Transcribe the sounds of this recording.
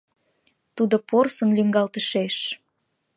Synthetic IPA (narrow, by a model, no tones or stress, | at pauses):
t̪ud̪oporsə̆nlyŋɡɑlt̪əʃeʃ